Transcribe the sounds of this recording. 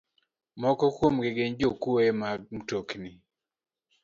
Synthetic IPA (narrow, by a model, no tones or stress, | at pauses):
mɔkɔkwomɡeɡeɲd͡ʒokuemaɡ̚mtokni